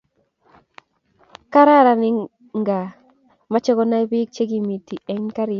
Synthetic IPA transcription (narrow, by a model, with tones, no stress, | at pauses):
ka˦ɾa˦˨ɾa˨nɪ˦ | ŋɡa˨ | ma˦t͡ʃe˦ɡɔ˦na˦i˦bi˦k̚t͡ʃe˦ɡi˨mi˨ti˨ɛ˦ɲka˦ɾɪ˨